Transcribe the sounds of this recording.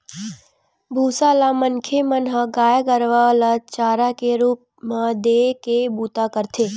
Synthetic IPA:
bʱuːsalamənkʰemənɦəɡaːjɡəɾʋalat͡ʃaːɾakeɾuːp̚mãd̪ekebuːt̪akəɾt̪ʰeː

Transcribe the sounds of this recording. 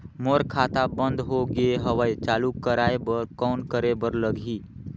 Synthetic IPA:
moɾkʰat̪abə̃nd̪ɦoɡeeɦəʋəjt͡ʃalukəɾaebəɾkɔːnkəɾebəɾləɡʱi

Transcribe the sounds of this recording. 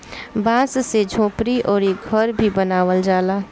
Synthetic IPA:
bãːssed͡ʒʱõːpɾiʔɔːɾeɡʱəɾbʱibənaːʋəld͡ʒaːlaː

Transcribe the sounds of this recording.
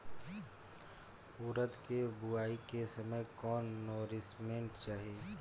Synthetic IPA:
uːɾət̪kebʊaːikesɐməjkɔːnːoːɾɪsmẽɳʈt͡ʃaːɦieː

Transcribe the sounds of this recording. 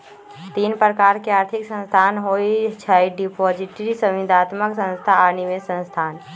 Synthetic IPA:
t̪iːnpɾəkaːɾkeaːɾt̪ʰiksə̃nst̪ʰaːnɦoit͡ʃʰəiɖipɔd͡ʒiʈɾisə̃mʋid̪ʱat̪məksə̃nst̪ʰaːnimẽsə̃nst̪ʰaːn

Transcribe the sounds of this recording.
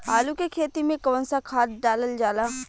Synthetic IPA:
aːlukekʰeːt̪imẽkɐʋə̃nsakʰaːt̪̚ɖaːləld͡ʒaːlaː

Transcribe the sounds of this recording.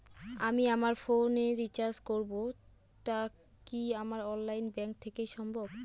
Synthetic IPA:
amiamaɾfoneɾit͡ɕaɾskoɾbo | ʈa | kiamaɾɔnlajnbɛŋk̚t̪ʰekejʃɔmbʱob

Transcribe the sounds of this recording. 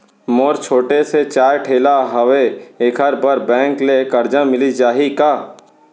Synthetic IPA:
moːɾt͡ʃʰoːʈeset͡ʃaːjʈʰeːlaɦɐweeːkʰəɾbəɾbɛ̃ːŋklekɐɾd͡ʒãmɪlid͡ʒaːɦikaː

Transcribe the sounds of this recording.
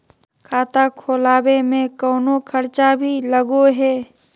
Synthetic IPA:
kʰaːt̪akʰoːlaːwemẽkɔːnokʰəɾt͡ʃabʱiləɡoɦɛː

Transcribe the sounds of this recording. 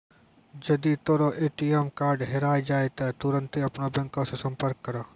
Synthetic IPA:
d͡ʒɐd̪it̪oːɾoʔeːʈiemkaːɾɖɦeɾaːed͡ʒaːet̪ɐt̪uɾə̃nt̪eɐpnobɛ̃ŋkõsẽsɐ̃mpəɾkːɐɾaː

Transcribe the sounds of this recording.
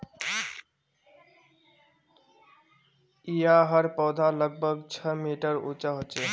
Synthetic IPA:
ijaɦəɾpɔwd̪ʱaləɡ̚bʱəɡt͡ʃʰəmiʈəɾṵt͡ʃaɦot͡ʃe

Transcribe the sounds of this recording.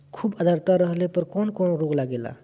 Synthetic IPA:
kʰuːbəd̪ʱaɾt̪aɾəɦlepəɾkɔnkɔnɾoklaɡela̰

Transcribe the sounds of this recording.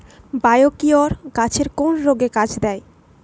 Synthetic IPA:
bajokioɾɡat͡ɕʰeɾkonɾoɡekad͡ʑʰd̪ɛe

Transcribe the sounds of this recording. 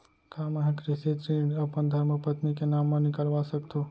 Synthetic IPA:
kaməɦẽkɾɪsit̪ɾiɐpənd̪ʱəɾməpət̪nikenamːə̃nikəlʋasəkt̪ʰo

